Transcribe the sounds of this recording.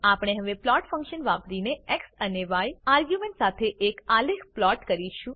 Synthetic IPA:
apɽ̃eɦəʋeplɔʈfə̃ŋkʃənʋapɾineeksəneʋajaɾɡjumẽɳʈsat̪ʰeʔekalekʰplɔʈkəɾiʃũ

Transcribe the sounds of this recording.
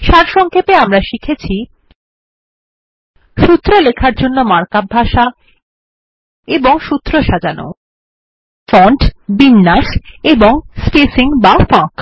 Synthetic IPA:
ʃaɾʃɔŋkʰepeamɾaʃikʰet͡ɕʰi | ʃut̪ːɾolekʰaɾd͡ʑonːomaɾkabʱaʃa | eboŋʃut̪ːɾoʃad͡ʑano̰ | fɔɳʈbinːaʃeboŋspesiŋbafãk

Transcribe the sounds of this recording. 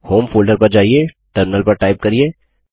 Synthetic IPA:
hoːmfoːlɖəɾpɐɾd͡ʒaːɦie | ʈɐɾmɪnəlpɐɾʈaːɪp̚kɐɾieː

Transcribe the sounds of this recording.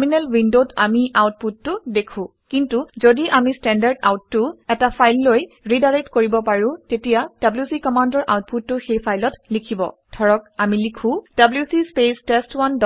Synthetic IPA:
minɛlwindotamiʔawt̚putːʊdekʰʊ̃ | kintuzodiʔamistɛndaɹda̰wtːʊɛtapʰajlːoj | ɹidaɹetkoɹibɔpaɹʊ̃tetijad̥abljusikɔmandɔɹʔa̰wt̚putːʊxejpʰajlɔtlikʰibɔ̰dʱɔɹɔkamilikʰũd̥abljusispestestwandɔ

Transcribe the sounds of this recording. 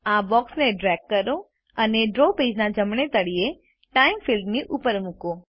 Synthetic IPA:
ãːbɔːksnẽɖɾɛːkːəɾo | ɐneɖɾoːpeːd͡ʒnãd͡ʒɐmɽ̃et̪əɽie | ʈaːɪmfilɖnĩʔʊpəɾmʊkoː

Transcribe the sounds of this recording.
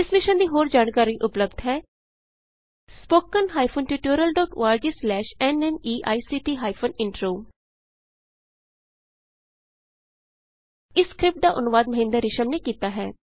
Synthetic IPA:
ɪsmɪʃənd̪iːɦoːɾd͡ʒaːɳkaːɾiːʔʊpləbd̪ɦɛː | spoːkənɦaːipʰonʈuːʈoːɾəlɖɔːʈːaːɾd͡ʒeslɛːʃɛnɛniːʔaːiːsiːʈiːɦaːipʰonɪɳʈɾoː | ɪskɾɪp̚ʈ̚d̪aːʔʊnʋaːd̪məɦɪ̃ːnd̪əɾɪʃəmneːkiːt̪aːɦɛ̰ː

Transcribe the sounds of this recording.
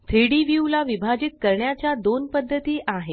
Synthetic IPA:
t̪ʰɾiɽiʋjulaʋibʱad͡ʑit̪̚kəɾɳjat͡ɕjad̪onpəd̪ʱːət̪iːʔaɦe

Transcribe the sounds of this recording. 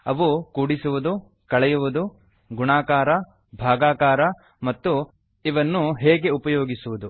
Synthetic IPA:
ɐʋukuːɽisuʋud̪u | kɐɭɛjuʋud̪u | ɡuɳaːkaːɾɐ | bʱaːɡaːkaːɾɐ | mɐt̪ːu | iʋɐnːuɦɛːɡe̞upɐjo̞ːɡisuʋud̪u

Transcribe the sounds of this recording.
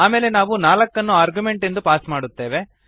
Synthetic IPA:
aːmeːlenaːʋunaːlɐkːɐnːuaːɾɡume̞ɳʈend̪upaːsmaːɽut̪ːe̞ːʋe

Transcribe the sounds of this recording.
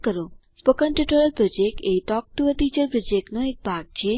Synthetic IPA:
kəɾospokənʈɾiʈoɾəlpɾɔd͡ʒek̚ʈejʈɔk̚ʈuəʈid͡ʒəɾpɾɔd͡ʒekʈnoek̚bʱaɡ̚t͡ʃʰe

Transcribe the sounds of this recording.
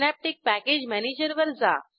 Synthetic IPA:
næp̚ʈik̚pæked͡ʑmæned͡ʑəɾʋəɾd͡za̰

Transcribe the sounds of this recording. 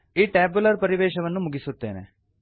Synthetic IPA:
eːʈɛːbʊləɾpəɾɪʋeːʃəʋənːũːmʊɡisʊt̪ːḛːnḛː

